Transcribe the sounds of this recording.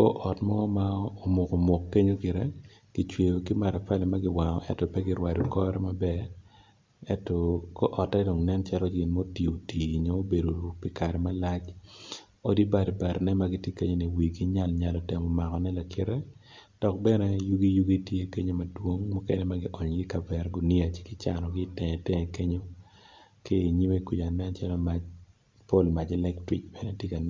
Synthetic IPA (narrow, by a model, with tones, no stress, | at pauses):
kɔ̰˦ʔɔ˨tmɔ˦ma˦o˨mo˨ko˨mo˨kːe˦ɲo˦kɪ˨ɾɛ˦ | ki˨t͡ʃwe˨jo˨ki˦ma˨ɾa˨fa˦lɛ˨ma˦ɡɪ˦wa˨ŋɔ̰˨ʔɛ̰˦tɔ˨pɛ˦ɡɪ˦ɾwa˨dɔ˨kɔ˦ɾɛ˦ma˨bɛ˦ | ɛ˦tɔ˨ko˦ʔɔ˨tɛ˦do˨ŋnɛ˦nt͡ʃa˦lɔ˦d͡ʒɪ˨nmo˦ti˨o˨ti˨ɲɔ˦o˦be˨do˨pɪ˨ka˨ɾɛ˨ma˦la˦t͡ʃ | o˦di˦ba˨dba˨ɾnɛ˦ma˨ɡɪ˦tje˦ke˦ɲo˦ni˨wi˨ɡi˦ɲa˦lɲa˨lɔ˨tɛ˨mɔ˨ma˨kɔ˨nɛ˦la˨kʰɪ˦ɾɛ˦ | d̥ɔ˨k̚bɛ˦nɛ˦ju˦ɡi˦ju˦ɡi˦tje˦ke˦ɲo˦ma˨dwo˦ŋmɔ˦kɛ̰˦nɛ˦ma˦ɡɪ˦ʔɔ˨ɲɡɪ˦ka˨bɛ˨rɡʊ˨ni˦a˨t͡ʃɪ̥˦kɪ˦t͡ʃa̰˨nɔ˨ɡɪ˦tɛ˨tɛ˦ɛ˨ke˦ɲo˦ | ke˦˨ɲi˦we˦ku˨a˨nɛ˦nt͡ʃa˦lɔ˦ma˨d͡ʒ | po˦lma˨d͡ʒɛ˦lɛ˦ktɾi˨kbɛ˨nɛ˦tje˦ka˨n